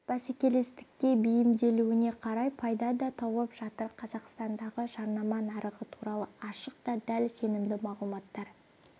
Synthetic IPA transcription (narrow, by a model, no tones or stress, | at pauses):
b̥æsekʲe̞le̞st̪ɪ̥kʲːe̞bijɪmd̪e̞luwɪne̞qʰɑɾɑjpʰɑjd̪ɑd̪ɑt̪ʰɑwˠəpʒ̥ɑt̪əɾqʰɑzɑqst̪ɑnd̪ɑʁəʒɑɾnɑmɑnɑɾəʁət̪ʰuɾɑlˠəɑʃəq̚t̪ɑd̪ælse̞nɪmd̪ɪmɑʁlˠumɑt̪ːɑɾ